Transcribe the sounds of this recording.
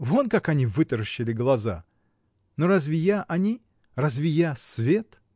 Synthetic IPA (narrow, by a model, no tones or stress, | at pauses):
vonkakɐnʲivɨt̪əɾəɕːɪlʲɪɡlˠɐza̰ | noɾazʲvʲɪjaʔɐnʲi | razʲvʲɪjasvʲet̪